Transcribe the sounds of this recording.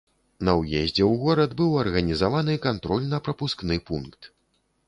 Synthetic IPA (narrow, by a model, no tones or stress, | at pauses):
nɐwjɛzʲd͡zʲɛwɣɔɾɐd̪bɨwɐrɣɐnʲizavanɨkant̪ɾɔlʲnɐpɾɐpusknɨpunkt̪